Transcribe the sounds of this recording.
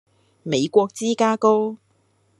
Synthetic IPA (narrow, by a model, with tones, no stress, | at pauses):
me˨˧jkʷɔː˧k̚t͡siː˥kaː˥ko˥w